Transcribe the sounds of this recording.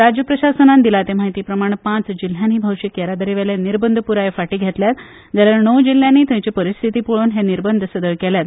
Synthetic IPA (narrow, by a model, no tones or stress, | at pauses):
ɾad͡ʑjəpɾəɕasənand̪ilat̪emaɦit̪iːpɾəmaɽ̃pãt͡sd͡ʑil̤jãniːbʱəwɕikjaɾad̪əɾiʋeleniɾbənd̪ʱəpuɾajefaʈiːɡʱet̪ljat̪ | d͡zaljaɾnəwd͡ʑil̤ːjãnːiːt̪ãt͡ɕipəɾist̪ʰit̪iːpuɭoːnɦeniɾbənd̪ʱəsəd̪əɭkɛljat̪